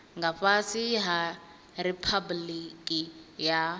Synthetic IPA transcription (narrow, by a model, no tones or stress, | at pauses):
ŋɡaɸasiɦa | ɾipʰablikʼija